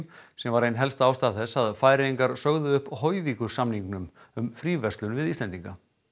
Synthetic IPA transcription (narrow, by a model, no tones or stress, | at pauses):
msɛmvaɾejnɦɛlst̪aːwst̪aðθɛsːaðfaːjɾɪiŋkaɾ̥sœɣðʏʏhphojvikʏɾ̥samniŋknʏm | ʏmfɾiːvɛrst̪lʏnvɪðist̪ɛnt̪iŋka